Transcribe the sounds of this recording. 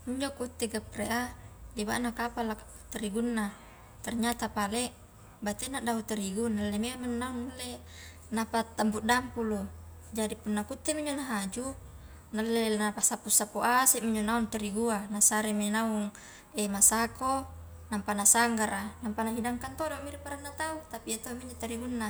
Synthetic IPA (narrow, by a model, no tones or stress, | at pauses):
miɲd͡ʒokut̪ːeɡapreʔadiba̰ʔnakapalaka | t̪eɾiɡunːa | t̪arɲat̪apaleʔ | bat̪enaʔdaut̪eɾiɡunalːemeaminːauŋːalːe | napat̪ːambuʔdampulu | d͡ʒadipunːakut̪ːemiɲd͡ʒonaɦad͡ʒu | nalːelnapasapusapoʔasiʔmiɲd͡ʒonaunt̪eɾiɡuanasaɾeminauŋ | emasako | nampanasaŋɡaɾanampanaɦidaŋkant̪odomiɾipaɾanːat̪aut̪apiat̪omiɲd͡ʒot̪aɾiɡunːa